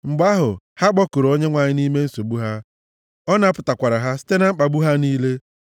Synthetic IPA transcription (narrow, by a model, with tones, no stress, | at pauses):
ŋ͡m̩˨ɡ͡ba˦ɦʊ˨ | ha˦ɡ͡bɔ˦ko˨ɾo˦ɲe˦ŋʷa˨ɲɪ˦ni˦me˦n̩˦so˨bu˦ɦa˦ | ɔ˦na˨˦pʊ˨ta˨kʷa˨ɾa˨ɦa˦si̥˦te˦na˦ŋ͡m̩˦k͡pa˨ɡ͡bu˦ɦa˦niː˦le˦